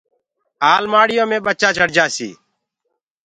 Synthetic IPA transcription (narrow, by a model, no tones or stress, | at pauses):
aːlmaːɽɪjõːmẽːɓət͡ʃaːt͡ʃəɽd͡ʒaːsḭː